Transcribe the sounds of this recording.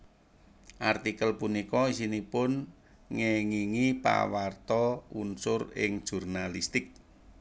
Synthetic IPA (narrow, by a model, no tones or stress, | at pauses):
ʔart̪ikəlpunikɔisinipʊn | ŋeŋiŋipa̰wart̪ɔunsʊrɪ̰ŋd̥ʒ̥ṳrnalist̪ɪk̚